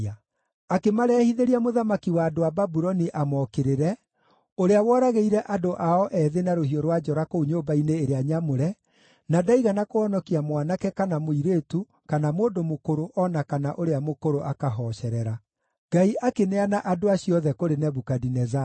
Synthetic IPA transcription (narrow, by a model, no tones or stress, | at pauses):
a | akemaɾɛːhiðeɾiamoðamakiwaːdoababuɾɔniʔamɔkeɾeɾɛ | oɾeawɔːɾaɣeiɾɛʔadoʔaɔʔɛðenaɾohiɔɾwad͡ʒɔɾakouɲoːbaineːɾeaɲamoɾɛ | nadaiɣanakoɔnɔkiamwanakɛkanamoiɾetu | kanamoːndomokoɾoʔɔnakanaʔoɾeamokoɾoʔakaɦɔɕɛɾɛɾa | ɡ̥aiʔakeneanaʔadoaɕiɔðɛkoɾenɛβukadinɛza